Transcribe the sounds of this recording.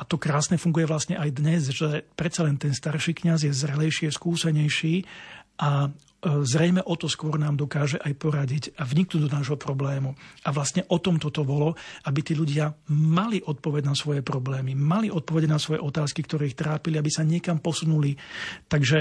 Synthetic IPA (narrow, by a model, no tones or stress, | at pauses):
at̪ɔkɾaːsnɛfuŋɡujɛʋlastɲɛʔajd̪ɲɛzʒɛpɾɛt̪t͡salɛnt̪ɛnst̪aɾʃiːkɲazjɛzɾɛlɛjʃiaskuːsɛɲɛjʃiːʔa | zɾɛjmɛʔɔt̪ɔskʊɔɾnaːmd̪ɔkaːʒɛʔajpɔɾaɟiɟavɲiknuːd̪ɔnaːʒɦɔpɾɔblɛːmuaʋlast̪ɲɛʔɔt̪ɔmt̪ɔt̪ɔbɔlɔʔabit̪iːʎuɟɪamaliʔɔt̪̚pɔʋɛɟnasʋɔjɛpɾɔblɛːmimaliʔɔt̪̚pɔʋɛɟɛnasʋɔjɛ̰ʔɔt̪aːskikt̪ɔɾɛːixt̪ɾaːpiliabisaɲɪɛkampɔsunulit̪aɡʒɛ